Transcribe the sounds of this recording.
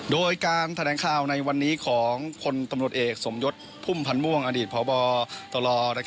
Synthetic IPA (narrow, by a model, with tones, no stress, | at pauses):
doː˧jkaː˧nt̪ʰa˧lɛː˨˧˦ŋkʰaː˨˩wna˧jwa˧nːiː˦˥kʰɔː˩˦ŋkʰo˧nt̪a˧mɾu˨˩ət̪ʔeː˨˩k̚so˩˦mjo˦˥t̪̚pʰu˥˩mpʰa˧nmu˥˩əŋʔaː˧diː˨˩t̪̚pʰɔː˩˦bɔː˧t̪ɔ˧lɔː˧na˦˥